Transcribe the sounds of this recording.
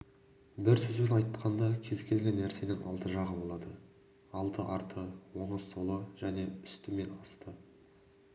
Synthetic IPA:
bɪɾsɵzbʲenɑjt̪ːəqɑnd̪ɑkʲʰe̞zkʲʰe̞lɡʲenːæɾse̞nɪŋʔɑ̰lˠt̪əʒɑʁəbo̞lˠɑd̪ə | ɑlˠt̪əʔɑɾt̪əwo̞ɴəsːolˠəʒ̥æne̞ʏst̪ɪme̞nɑst̪ə

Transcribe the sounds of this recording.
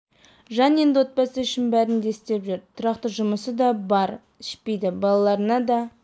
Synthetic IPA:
ʒɑnje̞nd̪ɪwo̞t̪̚pɑsəʏʃɪnbæɾɪnd̪eɪst̪e̞pʒʏɾt̪ʰʊɾɑqt̪əʒʊməsəd̪ɑbɑɾ | ɪʃpe̞jd̪ɪbɑlˠɑlˠɑɾənɑd̪ɑ

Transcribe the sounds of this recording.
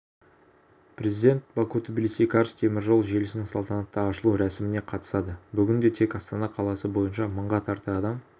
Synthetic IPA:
pʰɾʲe̞zijd̪ʲe̞nt̪bakut̪bilʲsijkʰɑɾst̪ʰe̞mɪɾʒo̞lˠʒe̞lɪsɪnɪŋsɑlˠt̪ɑnɑt̪ːɑɑʃəlˠuɾæsɪmɪne̞qʰɑt̪ə̥sɑd̪əbʏɡʲɪnd̪e̞t̪ʰe̞kɑst̪ɑnɑqʰɑlˠɑsəbo̞jənʃɑməɴʁɑt̪ʰɑɾt̪əɑd̪ɑm

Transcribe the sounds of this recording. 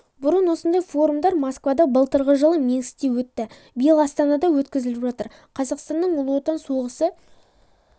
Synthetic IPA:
bʊɾənwo̞sənd̪ɑjfo̞ɾumd̪ɑɾmɑskvɑd̪ɑbəlˠt̪əɾʁəʒəlˠəme̞ŋst̪ewɵt̪ːɪ | bɪjəlˠɑst̪ɑnɑd̪ɑwɵt̪kʲɪzɪlɪpʒɑt̪əɾ | qʰɑzɑqst̪ɑnːəɴʊlˠuwot̪ɑnsuʁəsə

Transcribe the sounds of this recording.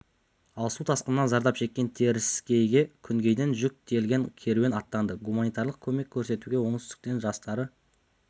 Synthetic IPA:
ɑlˠsut̪ʰɑsqənːɑnzɑɾd̪ɑpʃe̞kʲːe̞nt̪ʰe̞ɾɪskʲe̞jɡʲe̞kʲʰʏŋɡʲe̞jd̪e̞nʒʏk̚t̪ʲʰe̞lɡʲe̞nkʲʰe̞ɾwenɑt̪ːɑnd̪əɡumanijt̪ɑɾlˠəq̚kʲʰɵme̞kʲʰːɵɾse̞t̪uɡʲe̞wo̞ɴst̪ɪ̥k̚t̪e̞nʒɑst̪ɑɾə

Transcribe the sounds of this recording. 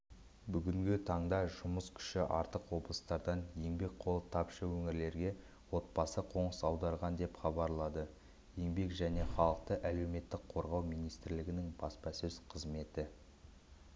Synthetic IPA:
bʏɡʲɪŋɡʲɪt̪ʰɑɴd̪ɑʒʊməskʲʰʏ̥ʃɪʔɑɾt̪əqwo̞blˠəst̪ɑɾd̪ɑnje̞ŋbe̞k̚qʰo̞lˠət̪ʰɑpʃəwɵŋɪɾle̞ɾɡʲe̞ | wo̞t̪̚bɑsəqʰo̞ɴəsɑwd̪ɑɾʁɑnd̪e̞pχɑbɑɾlˠɑd̪ə | je̞ŋbe̞kʒæne̞χɑlˠəq̚t̪əʔæle̞wme̞t̪ːɪk̚qʰo̞ɾʁɑwmijnijst̪ɪɾlɪɡʲɪnɪŋbɑspɑsɵz̥qʰəzme̞t̪ɪ

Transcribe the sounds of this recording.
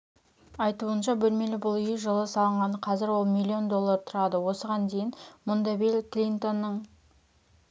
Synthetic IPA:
ɑjt̪uənʃɑbɵlme̞lɪbʊlˠʏjʒəlˠəsɑlˠəɴʁɑnəqʰɑzɪɾwo̞lˠmʲilʲːio̞nd̪o̞lˠːɑɾt̪ʰʊɾɑd̪əwo̞səʁɑnd̪e̞jɪnmʊnd̪ɑbilʲklʲint̪o̞nːəɴ

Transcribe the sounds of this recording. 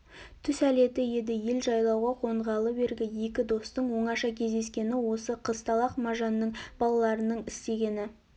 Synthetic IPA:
t̪ʰʏsæle̞t̪ɪje̞d̪ɪje̞lʒɑjlˠɑwʁɑqʰo̞ɴʁɑlˠəbe̞ɾɡʲɪje̞kʲɪd̪o̞st̪əɴwo̞ɴɑʃɑkʲʰe̞zd̪e̞skʲe̞nɪwo̞səqʰəst̪ɑlˠɑqmɑʒɑnːəɴbɑlˠɑlˠɑɾənəɴɪst̪e̞ɡʲe̞nɪ

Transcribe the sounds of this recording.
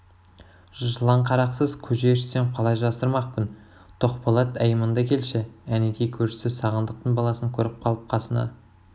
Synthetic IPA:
ʒʒəlˠɑɴqʰɑɾɑqsəzkʲʰɵʒeʃɪ̥seɴqʰɑlˠɑjʒɑsəɾmɑq̚pən | t̪ʰoqpɑlˠɑt̪æjəmənd̪ɑkʲʰe̞lʃɪæneɡ̪ejkʲʰɵɾʃɪ̥sɪzsɑʁənd̪əq̚t̪əɴbɑlˠɑsəŋkʲʰɵɾɪp̚qʰɑlˠəp̚qʰɑsənɑ̰

